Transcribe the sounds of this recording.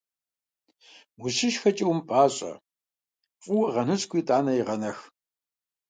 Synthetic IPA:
mʊɕɪʃxɐt͡ʃʼɪwmpʼaːɕʼɐ̰ | fʼʊwʁɐnɨɕkʷʰiːtʼaːnɐjiʁɐnɐx

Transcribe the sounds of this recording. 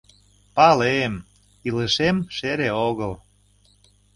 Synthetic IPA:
pɑlem | iləʃemʃeɾeoɣəl

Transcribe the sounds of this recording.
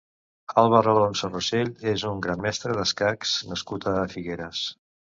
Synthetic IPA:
alˠβəɾalonsoroseʎezuŋɡɾamːɛst̪ɾəðəskaksnəskut̪əfiɣeɾəs

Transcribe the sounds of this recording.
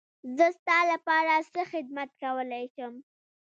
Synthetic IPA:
zəst̪ɑlapɑɾasəxɪd̪̚mat̪kawəlajʃəm

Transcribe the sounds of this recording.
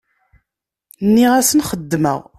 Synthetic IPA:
nːiʁæsənχəd̪ːmə̰ʁ

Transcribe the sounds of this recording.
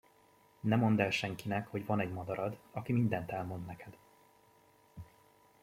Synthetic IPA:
nɛmo̞nd̪ɛlʃɛŋkinɛkho̞ɟvɒnɛɟmɒd̪ɒɾɒd̪ɒkimind̪ɛnt̪ɛlmo̞nd̪nɛkʰɛd̪̥

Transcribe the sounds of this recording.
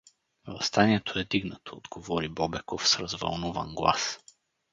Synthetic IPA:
vˠɐst̪aniɛt̪ʰoɛd̪iɡnət̪ʰoːd̪ɡovɔɾibɔbɛkofsɾɐzvɐ̰lˠnuvə̰nɡlˠa̰s

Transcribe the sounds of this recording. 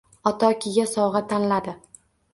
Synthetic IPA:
ɒt̪ʰɒkʲʰɪɡʲasɒwʁat̪ʰanlad̪ɪ

